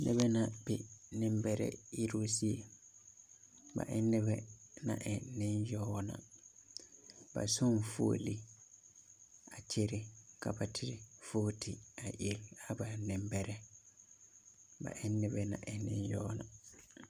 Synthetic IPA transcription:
nʔɛ̰˦bɛ˦na˨b̥ɪ˨nɪ̃˦mbɛ˦ɾɛ̰˦i˦ɾo˦si˦e˨ | ba̰˨ʔɛ˦nːɛ˦bɛ˦nã̰˨ʔɛ˨nɪ̃˦njɔ˦nã̰˨ | ba̰˨sɔ˦nfo̰ː˦li˦ | a˨t͡ʃʰe˦ɾɪ˦ka˨ba˨tʰɪ˦ɾɪ˨foː˦tʰɪ˨a˨ʔe˦˨la˨ba˨nɪ̃˨mbɛ˦ɾɛ˦ | ba̰˨ʔɪ˦nːɪ˦bɛ˦nã̰˨ʔɛ˨nnːɪ̃˦njɔː˦na˨

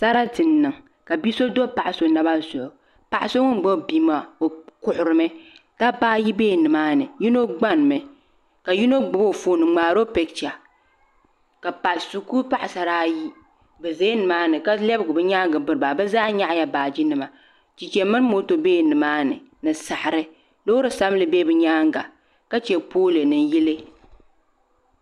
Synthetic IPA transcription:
sa˦ɾa˦tɨ˨nːɨ˨ŋ˨ | ka˨bi˦so˦do˦pa˨ʔa˨so˨˦na˦ba˦˨sʊ˨ʔʊ˨ | pa˨ʔɪ˨so˦ŋʊ˦m˨ɡ͡bo˦˨bi˦ma˨o˨kʊ˨ʔʊ˨ɾɨ˨mɨ˦ta˦paː˦ji˦beː˦˨nɨ˨maː˦nɨ˨ji˦no˦ɡ͡ba˦n˨mɨ˨ | ka˨ji˦no˦ɡ͡bʊ˦bo˦˨fo˨nɨ˨ŋ͡maː˨ɾo˦pɛ˨k̚t͡ʃa˨ | ka˨pa˨lsu˨ku˦pa˦ʔa˨sa˨ɾaː˦ji˦ | bɛ˨ze˦nɨ˨maː˦nɨ˨ka˦lɛ˦bɡʊ˨bɨ˦ɲaː˦ŋɡɨ˨bɨ˦ɾɨ˨ba˨bɛ˦zaː˦ɲa˦ʔja˦baː˨d͡ʒi˦nɨ˨ma˨ | t͡ʃi˨t͡ʃɛ˨mɨ˦n˦mo˦to˨beː˦nɨ˨maː˦nɨ˨nɨ˨sa˨ha˨ɾɨ˦ | lo˦ɾɨ˨sa˦m˦lɨ˨be˦bɨ˨ɲaː˦ŋɡa˨ | ka˦t͡ʃɛ˨poː˦lɨ˨nɨ˨n˦ji˦lɨ˦

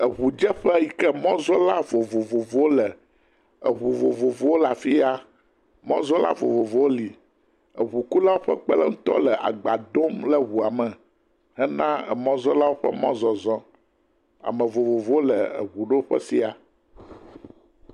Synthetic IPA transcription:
ə˨βu˨d͡ʒɛ˦ɸɛ˦ji˦kɛ˦mɔ̃˦zɔ˦la˦vo˨vo˨vo˨vo˦wo˦lɛ˨ | ə˨βu˨vo˨vo˨vo˨˦wo˦la˨fi˦a˦ | mɔ̃˦zɔ̃˦la̰˦vo̰˨vo˨vo˨˦wo˦li˨ | ə˨βu˨ku˦la˦wo˦ɸɛ̰˦k͡pɛ̰˦lɛ̰˦ŋ̩̃˦t̪ɔ̰˦lɛ˨ʔa̰˨ɡ͡ba˨d̪o˦mlə˦wu˨a˨mə̃˨ | ɦɛ˦nã˦ɛ̰˨mɔ̃˦zɔ˦la˦wo˦ɸɛ̰˦mɔ̃˦zɔ˨zɔ̃˦ | a̰˨mə̃˨vo˨vo˨vo˦wo˦lə˨ə̰˨βu˨ɖo˦o˦ɸɛ̰˦si˦a˨

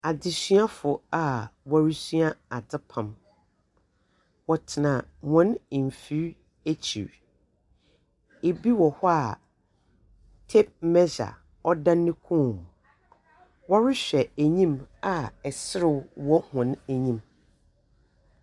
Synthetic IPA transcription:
a˨dɪ˨sɥa˦fʊ˨a˨wɔ˨ɾɪ˦sɥa˦a˨dɪ˦pʰã˨m | wɔ˨tʰɪ˨nã˨wɔ̃˦n˨m˨fi˦ɾ | æ˦t͡ɕʰḭ˨ɾ | e˨bi˦wɔ˨hɔ˦a˨ | tʰe˦p̚mɛ˦d͡ʑa̰˨ | ɔ˦dã˦nːɪ̃˦kʰũ˦˨m˨ | wɔ˦ɾɪ˦ɕᶣɛ˨æ˨ɲĩ˦ma˨ɛ˨sɪ˦ɾɪ˦˨wwɔ˦hɔ̃˨næ˨ɲĩ˦˨m

